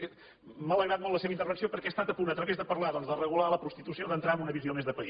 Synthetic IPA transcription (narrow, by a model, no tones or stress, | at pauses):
mələɣɾat̪̚mɔlt̪ːləseβəint̪ərβəksiopəɾkɛəst̪at̪əpunət̪ɾəβezðəpəɾlaðɔnzðərəɣulaləpɾust̪it̪usioðənt̪ɾaəmunəβiziomezðəpəi